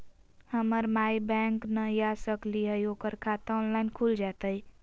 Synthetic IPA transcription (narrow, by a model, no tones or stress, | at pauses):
həməɾmaibɛ̃ŋknəjasəkliɦəjoːkəɾkʰat̪ɔːnlaɪnkʰuld͡ʒat̪əi